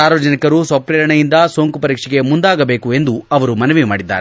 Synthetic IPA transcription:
aːɾʋɐd͡ʒɐnikɐɾusɐpɾiːɾɐɳɐjind̪ɐsoːŋkupɐɾiːkʂiɡe̞mund̪aːɡɐbeːkue̞nd̪uɐʋɐɾumɐnɐʋima̰ːɽid̪ːa̰ːɾe

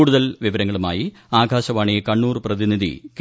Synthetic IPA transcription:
ɽuðɐlʋiʋɐɾɐŋːɐɭuma̰ːji | aːɡʱaːɕɐʋaːɳijekɐɳːuːrprɐðiniðḭk

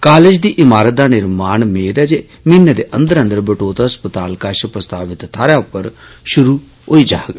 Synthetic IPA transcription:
kaːled͡ʒd̪iːʔɪmaːɾət̪̚d̪aːnɪɾmaːnmeːd̪ɛːd͡ʒeː | mɪnːed̪eːʔə̃nd̪əɾə̃nd̪əɾbəʈoːt̪ɦəspət̪aːlkaʃpɾəst̪aːʋɪt̪ʰːaːɾjaːʊpːəɾʃʊɾuː | oiːd͡ʒaːɡ

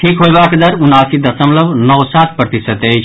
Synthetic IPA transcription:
ʈʰikɦojbakd̪əɾunaːsid̪əsəmləbnɔwsat̪̚ʰpɾət̪isət̪ejt͡ʃʰ

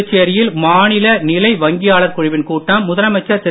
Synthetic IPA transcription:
t͡ʃːejɐɾɪjɪlmaːnɪlɐnɪlɐɪʋɐŋɡɪjaːɭɐɾkʊɻɪʋɪnkuːʈːaːmːʊðɐɾɐmɐt͡ʃːɐsɛ

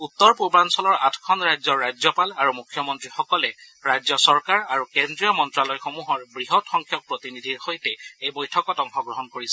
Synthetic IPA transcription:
ut̪ːɔɹpubɹansɔlɔɹatʰkʰɔnɹajzɔɹːajzɔpalaɹumukʰjɔmɔntɹixɔkɔlɛ | ɹajzɔsɔɹkaɹaɹukendɹiɔmɔntɹalɔjxomuɦɔɹbɹiɦɔtxɔŋkʰjɔk̚pɹotinidʱiɹxojtɛejbojtʰɔkɔtɔŋxɔɡɹɔɦɔnkoɹisɛ

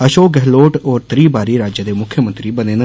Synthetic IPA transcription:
əʃoːɡɛɦloːʈɔːɾt̪ɾiːbaːɾiːɾaːd͡ʒjəd̪eːmʊkʰːjəmənt̪ɾiːbəneːnə

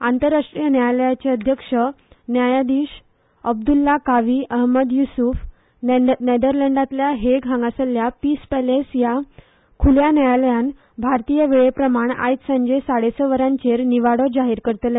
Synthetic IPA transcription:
ant̪əɾːaʂʈɾijənjajaləjat͡ɕeəd̪ʱjəkʂə | njajad̪iːɕ | əbd̪ulːakaʋiːʔəɦməd̪jusuf | ned̪əɾlɛɳɖat̪ljaɦeɡʱãŋɡasəljapiːspɛlesja | kʰuljanajaləjan | bʱaɾt̪ijəʋeɭepɾəmaɳa̰jt̪səɲd͡ʑesaɽesəʋəɾãɲt͡ɕeɾniʋaɽɔd͡ʑaɦiːɾkəɾt̪əl

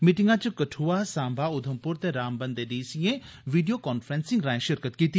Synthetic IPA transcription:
miʈɪŋɡãt͡ʃəkəʈʰuaːsãːmbʱaːʊd̪ʱəmpʊɾt̪eːɾaːmbənd̪eːɖiːsiẽ | ʋiːɖijoːkɔːnfʰɾɛ̃ːnsɪ̃ŋɡɾãːẽʃɪɾkət̪kiːt̪iː

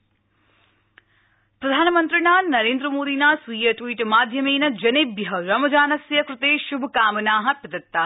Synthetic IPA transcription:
pɾɐd̪ʱaːnɐmənt̪ɾinaːnɐɾeːnd̪ɾəmoːd̪iːnaːsʋiːjɐʈʋiːʈmaːd̪ʱjɐmeːnɐd͡ʒɐneːbjɐɦɐɾɐmɐd͡ʒaːnɐsjɐkɾɪt̪eːʃubʱɐkaːmɐnaːɦɐpɐd̪ɐt̪ːaː

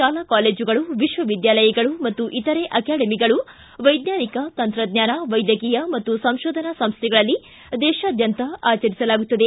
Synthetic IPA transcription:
ʃaːlakaːleːd͡ʒuɡɐɭuʋiʃʋɐʋid̪jaːlɐjɐɡɐɭumɐt̪ːuʔit̪ɐɾeʔɐkaːɽɐmiɡɐɭu | ʋɐjd̪naːnikɐt̪ɐnt̪ɾɐd̪ɲaːnɐʋɐjd̪jɐkiːjɐmɐt̪ːusɐ̃mʃoːd̪ʱɐnɐsɐmst̪ʰɛɡɐɭɐlːi | d̪ɛːʃaːd̪ʱjɐnt̪ɐaːt͡ʃɐɾisɐlaːɡut̪ːɐd̪e̞

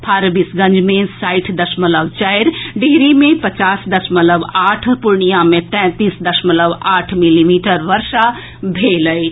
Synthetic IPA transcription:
pʰaɾbisɡə̃nd͡ʒmẽsaɪʈʰd̪əsmələʋt͡ʃajɾɖiɦɾimẽpət͡ʃaːsd̪əsmələʋaʈʰpuɾɳijamẽt̪ɛ̃t̪isd̪əsmələʋaːʈʰmilimiʈəɾʋəɾʃa | bʱeləj

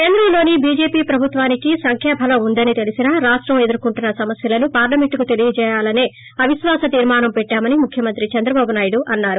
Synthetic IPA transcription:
keːnd̪ɾɐmlo̞ːnibiːd͡ʒe̞ːpiːpɾɐbʱut̪ʋaːnikisɐŋkʰɛːpʰɐlɐund̪ɐnit̪e̞lisinɐɾaːʂʈɾɐme̞d̪uɾkuɳʈunːɐsɐmɐsjɐlɐnupaːɾlɐmeɳʈkut̪e̞lijɐd͡ʒɛːjaːlɐneː | ɐʋiʃʋaːsɐt̪iːɾmaːnɐmpɛʈːaːmɐnimukʰjɐmɐnt̪ɾit͡ʃɐnd̪ɾɐbaːbunaːjɽuʔɐnːaːɾu

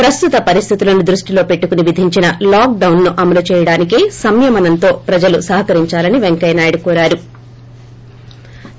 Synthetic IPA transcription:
pɾɐst̪ut̪ɐpɐɾist̪ʰit̪ulɐnud̪ɾuʂʈilo̞ːpe̞ʈːukuniʋid̪ʱiɲt͡ʃinɐlaːk̚ɖɐwnːuʔɐmɐlut͡ʃɛːjɐɽaːnikeːsɐmjɐmɐnɐnt̪o̞ːpɾɐd͡ʒɐlusɐɦɐkɐɾiɲt͡ʃaːlɐniʋeŋkɐjnaːjɐɽukuːɾaːɾu

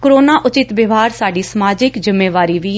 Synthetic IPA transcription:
kɾoːnaːʔʊt͡ʃɪt̪ʋɪʋaːɾsaːɖiːsəmaːd͡ʒɪkd͡ʒɪmːeːʋaːɾiːʋiː

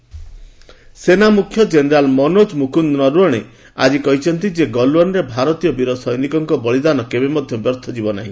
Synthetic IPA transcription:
senamukʰjɔd͡ʒeneɾalmɔnod͡ʒmukund̪nɔɾuɔɽ̃e | a̰d͡ʒikɔɦit͡ʃʰɔnt̪id͡ʒeɡɔlwɔnɾebʱaɾɔt̪ijɔbiɾosɔjnikɔŋkɔbɔɭid̪anɔkebemɔd̪ʱjɔbjɔɾt̪ʰɔd͡ʒibɔnaɦĩ

